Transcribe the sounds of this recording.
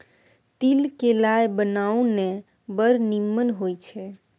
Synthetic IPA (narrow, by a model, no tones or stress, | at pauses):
t̪ilkelajbənaune | bəɾnimːənɦojt͡ʃʰɛ